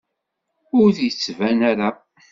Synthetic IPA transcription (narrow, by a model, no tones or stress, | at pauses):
ʊɾθjət͡sːvænaɾa